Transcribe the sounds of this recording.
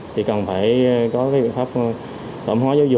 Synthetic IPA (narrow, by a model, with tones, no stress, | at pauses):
t̪ʰi˨˩kə˨˩nfaː˧˩jkɔ˨˦kaː˨˦jɓḭ˧˨nfaː˦˥p̚ | t̪ə̰˧˩mnhwaː˨˦zaː˨˦wzʊ̰˨